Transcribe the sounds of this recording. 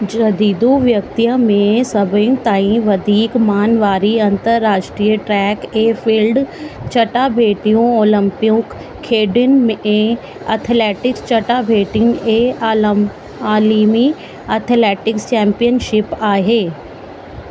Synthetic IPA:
d͡ʒɐd̪iːd̪uʋjək̚t̪ijəmẽsɐbəjũt̪aːĩʋɐd̪ʱiːkmaːnʋaːɾiɐ̃nt̪əɾːaːʃʈɾijəʈɾɛːkeːfʰiːlɖt͡ʃɐʈaːbʱeːʈijõoːlə̃mpɪjõkʰː | eːɖɪnmẽ | ɐt̪ʰlɛːʈɪkst͡ʃɐʈabʱeːʈɪŋe | aːliːmi | ɐt̪ʰlɛːʈɪkst͡ʃɛ̃ːmpijənʃɪpaːɦeː

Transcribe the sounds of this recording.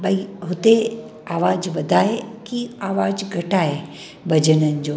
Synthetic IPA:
bɐiɦʊt̪e | aːʋaːd͡ʑʋɐd̪ʱaːekiaːʋaːd͡ʑɡʱɐʈaːɦe | bɐd͡ʑənənɪ̆d͡ʑoː

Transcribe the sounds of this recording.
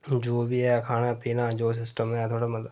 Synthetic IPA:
d͡ʒoːbiaakʰaːnaːpiːnãːd͡ʒoːs̬ɪsʈəmeat̪ʰoːɽamət̪

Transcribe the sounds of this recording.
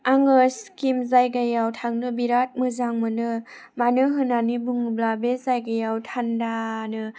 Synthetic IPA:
aŋɯskimzajɡajawtʰaŋnɯbiɾat̚mɯzaŋmɯnɯ | manɯɦɯnanibuŋblabezajɡajawtʰandanɯ

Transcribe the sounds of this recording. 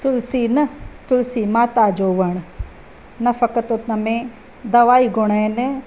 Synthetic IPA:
t̪ʊlsiːnɐt̪ʊlsiːmaːt̪aːd͡ʒoːʋəɳ̃ | nɐfɐkət̪ʊt̪nɐmẽ | d̪ɐʋaːiɡʊɳ̃aene

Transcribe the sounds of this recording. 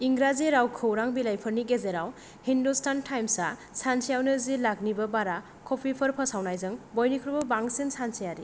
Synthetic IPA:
iŋɡɾazeɾawkʰɯwɾaŋbilajpʰɯɾniɡezeɾaw | hindustantʰajmsasansʰijawnɯzilaɡnibɯbaɾa | kʰɔpʰipʰəɾpʰəsawnajzɯŋbɔjnikʰɾbɔbaŋsensansijaɾi

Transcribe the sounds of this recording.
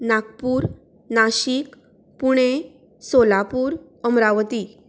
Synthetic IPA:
nakpuːɾ | naɕiːk | puɽ̃e | solapuːɾ | əmɾaʋt̪i

